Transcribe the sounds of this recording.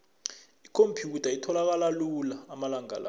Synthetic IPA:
ikʰompʰjutʰaitʰɔlak̬alalulaːmalaŋa̰la̰

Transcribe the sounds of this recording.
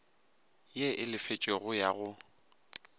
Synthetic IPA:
jeʔɪlɪfet͡ʃʼeɣʊjaɣʊ

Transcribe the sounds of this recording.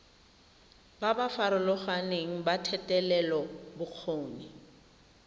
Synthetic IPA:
babafaɾʊlʊχaneŋ̩batʰɛtʼɛlɛlɔbʊq͡χʰoːni

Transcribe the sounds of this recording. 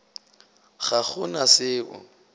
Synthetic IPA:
χaχʊnasɪːʊ̰

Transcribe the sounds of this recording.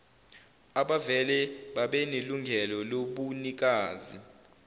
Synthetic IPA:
aɓavɛlɛɓaɓɛneluŋɡʱɛlɔloɓunik̬aːzi

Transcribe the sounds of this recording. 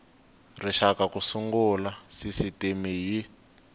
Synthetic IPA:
riʃakakusuŋɡulasisitimiɦi

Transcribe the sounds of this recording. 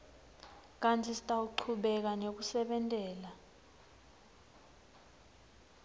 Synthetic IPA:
k̬ʼantʰisi̥tʼauǃʰuɓɛk̬anek̬usɛɓɛntʼɛːla

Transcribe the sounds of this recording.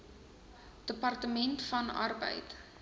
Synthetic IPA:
d̥əpɐrtəmɛntfɐnɐ̰rbə̰jt

